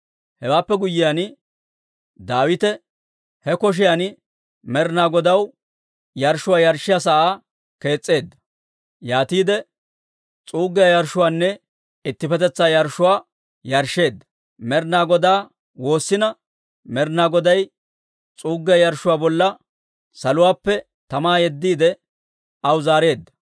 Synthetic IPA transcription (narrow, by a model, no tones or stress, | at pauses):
hɛwaːpːɛɡʊjːɪjan | d̪aːwɪt̪ɛ | hɛkɔʃ̬ɪjan | mɛɾnaːɡɔd̪ɐw | jɐɾʃʊwaːjɐɾʃːɪjas̬ɐʔaː | ke̞ːt͡sʼːe̞ːd̪ːɐ̥ | jaːt̪iːd̪ɛ | t͡sʼuːɡɪjajɐɾʃʊwaːnːɛ | ɪt̪ːɪpɛt̪ɛt͡sːaːjɐɾʃʊwaː | jɐɾʃe̞ːd̪ːɐ̥ | mɛɾnaːɡɔd̪aː | wo̞ːsːɪnɐ | mɛɾnaːɡɔd̪ɐj | t͡sʼuːɡːɪjɐjɐɾʃʊwaːbɔlːɐ | sɐlʊwaːpːɛ | t̪ɐmaːjɛd̪ːiːd̪ɛ | ɐwzaːɾe̞ːd̪ːɐ̥